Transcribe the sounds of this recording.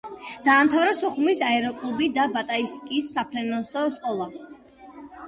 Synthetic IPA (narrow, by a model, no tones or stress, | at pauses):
d̪̥aːmt̪ʰavɾasɔχumisaɛɾɔkʼlˠubid̪abat̪ʼaiskʼisːapʰɾɛnɔsɔskʼɔlˠa